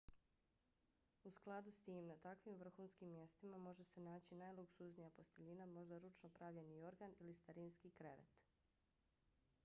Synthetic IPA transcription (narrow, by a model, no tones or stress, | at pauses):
usklˠad̪ust̪iːmnat̪akʋimʋr̩xunskimːje̞st̪imamo̞ʒe̞se̞naːt͡ɕinajlˠuksuznijapo̞st̪e̞ʎinamo̞ʒd̪aɾut͡ʃnopɾaːʋʎe̞nio̞ɾɡanilist̪aɾinskikɾe̞ʋḛt̪